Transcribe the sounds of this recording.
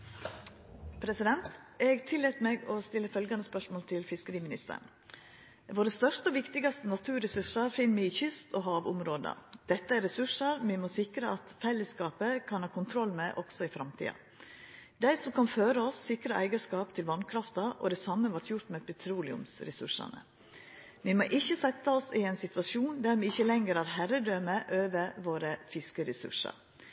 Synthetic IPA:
pʰɾɛsɪd̪ɛnt̪ɛɡt̪ʰɪlːɛːt̪meːɡɔst̪ɪlːəfœlɡɑnəspœʂmoːlt̪ʰɪlfɪskəɾiːmɪnɪst̪ə̰ɳ | ʋoːɾəst̪œʂt̪əɔʋɪkt̪ɪɡɑst̪ənɑt̪ʰʉːɾɛsʉʂɑɾfɪnːmɪçʏst̪ɔːɦɑːʋʊ̰mɾoːd̪ə̰d̪̥ɛt̪ːəæɾɛsʉʂɑɾmɪmoːsɪkɾəɑt̪fɛlːəskɑːpəkʰɑnhɑːkʊnt̪ʰɾɔlːmɛʔɔɡ̥sɔɪfɾɑmt̪ʰḭːɑ̰ | d̪æɪsɔmkɑnføːɾəɔsːɪkɾəʔæɪɡəʂkɑːpt̪ʰɪlʋɑnkʰɾɑft̪ɑʔɔ̰d̪ɛsɑməʋɑʈjʊɾt̪mɛːpʰɛt̪ʰɾuːlɪʊ̰msɾɛsʉ̰ʂɑ̰nə̰ | ʋɪmoːʔɪçːəsɛt̪ːəɔsɪɛɪnsɪt̪ʋɑʂjuːnd̪æɾʋɪɪçːəlɛŋɡəɾæːɾhæɾəd̪øːməʔøːʋəʋoːɾəfɪskəɾɛsʉ̰ʂɑ̰ɾ

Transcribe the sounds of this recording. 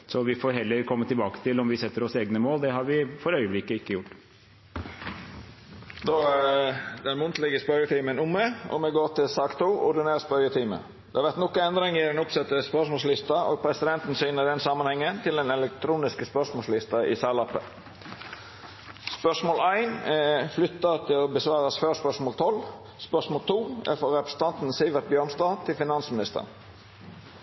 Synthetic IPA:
sɔʋɪfoːɾɦɛlːəɾkʰɔmːət̪ɪlbɑːkə̥t̪ʰɪlɔmʋɪsɛt̪ːəɾɔseːɡnəmoːld̪ɛɦɑɾʋɪfɔɾœʏəblɪkːəɪkːəjʊʈː | d̪ɔ | d̪ɛnmʊnt̪ʰlɪɡəspœʏəʈ̪ʰiːmənʊmːəʔɔ̰mɛɡoːt̪ɪlsɑːkt̪ʰuːʔʊd̪ɪneːɾspœɾəʈ̪ʰiːmə̰ | d̪̥ɛɑʋæʁt̪nɔkːənɛnd̪ɾɪŋɪd̪ɛnʊpsɛt̪ːəspœʂmoːslɪst̪ɑo̰ːɡpʰɾɛsɪd̪ɛnt̪n̩siːnəd̪ɛnsɑmːɑnhɛŋːənt̪ʰɪld̪ɛnɛlɛk̚t̪ʰɾuːnɪskəspœʂmoːlslɪst̪ɑʔɪ̰sɑlɑpːə̰ | spœʂmoːlæɪnɛflʏt̪ːɑt̪ʰɪlɔbəsʋɑːɾɑsføːspœʂmoɔːlt̪ʰɔlː | spœʂmoːlt̪ʰuːæ̰fɔɾɛpɾəsən̩t̪ʰɑnt̪n̩siːʋəɾt̪̚bjøːnst̪ɑːt̪ʰɪlfɪnɑnsmɪnɪst̪ə̰ʁn

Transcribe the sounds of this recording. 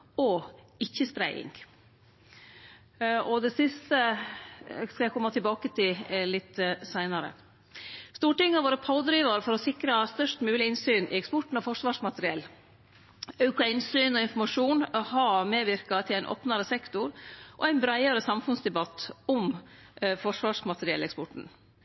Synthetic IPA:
ɔ | ɪçːəst̪ɾæɪɪ̰ŋ | ɔd̪ɛsɪst̪ə | skɑjæɪkʰɔmːɑt̪ʰɪlbɑːkət̪ʰɪllɪt̪ːsæɪnɑɾə̰ | st̪uːʈɪŋːɑʋoːɾəpʰɑʊd̪ɾiːʋɑɾfɔɾɔsɪkɾɑst̪œʂtmʉːlɪɪnsyːnʔɪ̰ɛkspɔʈɳ̩ɔfɔʂʋɑːʂmɑt̪əɾɪɛlː | œʉkɑɪnsyːnɔɪnfɔɾmɑʂuːnɔhɑmeːʋɪɾkɑt̪ʰɪlæɪnʔo̰ːpnɑɾəsɛkt̪ʊɾʔɔ̰æɪnbɾæɪɑɾəsɑmfʉnsd̪ɛbɑt̪ːɔm | fɔʂʋɑːʂmɑt̪ɾɪɛ̰lɛkspɔʈn̩

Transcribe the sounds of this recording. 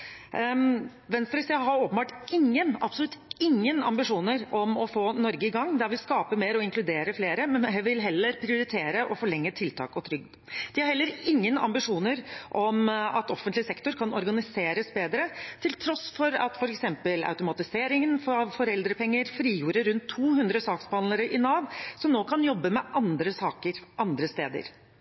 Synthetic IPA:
ʋɛnst̪ɾɪsɪəɦɑɾoːpənbɑːʈɪŋːənɑpsɔlʉt̪ːɪŋːənɑ̰mbɪʂuːnəɾɔmɔfoːnɔɾɡəɪɡɑŋːd̪æɾʋɪskɑːpəmeːɾɔɪŋkʰlʉd̪eːɾəfleːɾəmɛnɦʋɪlɦɛlːəɾpʰɾɪʊɾɪt̪ʰeːɾəʔɔfɔɭɛŋːət̪ʰɪlt̪ʰɑ̰ːkɔt̪ʰɾʏɡ̚ | d̪̥ɪhɑɾhɛlːəɾɪŋːənɑ̰mbɪʂuːnəɾʔɔmɑ̰t̪ɔfənlɪsɛkt̪ʊɾkʰɑnɔɾɡɑnɪseːɾəsbeːd̪ɾət̪ʰɪlt̪ʰɾɔsfɔɾɑ̰t̪fɔɾɛksɛmpəla̰ʉt̪ʊmɑt̪ɪseːɾɪŋənfɔʋfɔɾɛld̪ɾəpʰɛŋːəɾfɾiːjuːɾəɾʉnt̪ʰːuːhʉnd̪ɾəsɑːksbɑnləɾəʔɪnɑːʋsɔmnoːkʰɑnjɔbːəmɛʔɑnd̪ɾəsɑːkəɾʔɑnd̪ɾəst̪eːd̪ə̰ɾ

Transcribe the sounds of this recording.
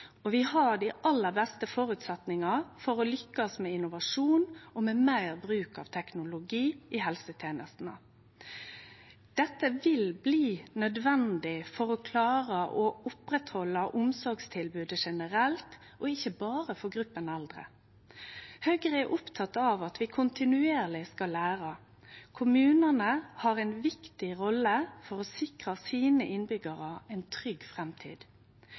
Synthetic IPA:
ɔʋɪhɑɖ̪iʔɑlːəɾbɛst̪əfɔɾʉːt̪sɛt̪nɪŋɑfɔɾɔlʏkːɑsmɛɪnʊʋɑʂuːnɔmeːmæɪɾbɾʉːkɑ̰ʋt̪ʰɛknʊlʊɡiːʔɪhɛlsət̪ʰjeːnə̰st̪n̩ə̰ | d̪̥ɛt̪ːəʋɪlbliːnœd̪ʋɛnd̪ɪfɔɾɔkʰlɑːɾəʔɔʊpɾɛt̪hɔlːəʔʊmsɔɾɡst̪ʰɪlbʉːd̪əʂɛnəɾɛlt̪ | ɔɪçːəbɑːʁəfɔɡʁʉpːənɛld̪ʁə̰ | hœɡʁɛʔʊpt̪ʰɑt̪ːɑʋɑt̪ʋɪkʰʊnt̪ɪnʉeːʁlɪskɑlæːɾɑ | kʰʊmʉːnənəhɑːʁɛɪnʋɪkt̪ɪʁɔlːəfɔɾɔsɪkʁɑsiːnəʔɪnbʏɡəʁəɛɪnt̪ʰʁʏɡfʁɛmt̪ʰḭːd̪̥

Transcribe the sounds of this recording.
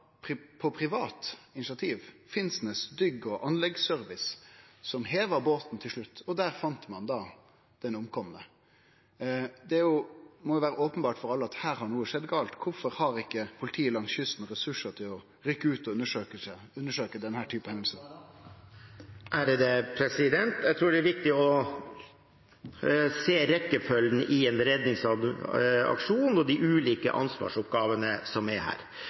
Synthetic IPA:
pʰɪpʰɔpʰɾɪʋɑːt̪ɪnɪsɑt̪ʰiːʋfɪnsnəsd̪ʏɡːɔʔɑnlɛɡsœɾʋɪssɔmɦeːʋəɾboːt̪n̩t̪ʰɪlʂɭʉt̪ːɔd̪æːɾfɑnt̪mɑnd̪ɑː | d̪̥ɛnʊmkʰɔmːənə | d̪ɛæjʊmɔjʊʋæːɾəʔɔːpənbɑːʈfɔɾɑlːəɑt̪hæːɾhɑɳuːəʂɛd̪ɡɑːlt̪kʰʊɾfɔɾhɑɾɪkːəpʰʊlɪt̪ʰiːəlɑŋsçʏsnɾɛsʉʂəʈ̪ʰɪlɔ | ɾʏkːəʉːt̪ɔʉnːəʂøːkəs | ʉnːəʂøːkəd̪ɛnhæːʈʰyːpəhɛnd̪̩sən | ʔæɾd̪ɛpʰɾɛsɪd̪ɛnt̪æt̪ʰɾuːɖɛæɾʋɪk̚t̪ɪɔ | seːɾɛkːəfœlnʔɪɛnd̪əɾɛd̪nɪŋsɑ | ɑ̰kʂuːnn̩ɔd̪ɪʔʉːliːkə̰ʔɑ̰nsʋɑ̰ːʂʊp̚ɡɑːʋənəsɔmɛɾhæ̰ːɾ

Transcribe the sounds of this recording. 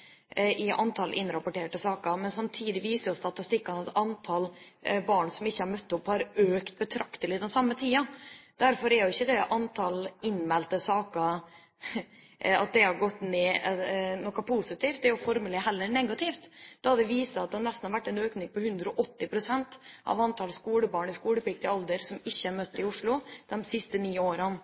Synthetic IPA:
ʔɪʔɑ̰nt̪ʰɑlʔɪ̰nɾɑpɔʈeːʈəsɑːkəmɛnsɑmt̪ʰiːd̪ɪʋiːsəɾjʊst̪ɑt̪ɪst̪ɪkːɑnɑt̪ɑnt̪ʰɑl | bɑːɳsɔmɪçːəhɑɾmœt̪ːəɔpːhɑɾøːkt̪̚bət̪ʰɾɑkt̪əlɪd̪ɛnsɑmːət̪ʰiːɑd̪̥æɾfɔɾɛɾjʊɪçːəd̪ɛʔɑnt̪ʰɑlɪnmɛlt̪əsɑːkəɾ | ɑ̰t̪̚d̪ɛhɑɾɡɔt̪ːneːnɔkːɑpʰusɪt̪iːft̪d̪ɛɾjʊfɔɾməlɛɦɛlːəɾɳɛɡɑt̪ift̪d̪̥ɑɑd̪ɛʋiːsɑɑt̪̚d̪ɛnɛst̪n̩hɑɾʋæʈːɛnøːknɪŋpʰɔhʉnd̪ɾəɔʔɔt̪ːɪpʰɾʊsɛnt̪ʔɑ̰ʋɑnt̪ʰɑlskuːləbɑːɳɪskuːləpʰɪk̚t̪əɑld̪əɾsɔmɪçːəæɾmœt̪ːɪʊʂɭʊd̪̥ɛmsɪst̪əniːoːɾən

